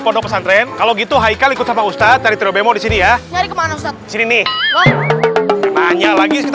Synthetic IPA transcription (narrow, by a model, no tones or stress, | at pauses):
pɔndɔpəsant̪ɾɛnkaloɡit̪uɦaikalikʊt̪̚samaust̪at̪̚daɾit̪ɾiobemɔdisinijaɲaɾikəmanust̪at̪disininɪhwa | kanaɲalaɡikit̪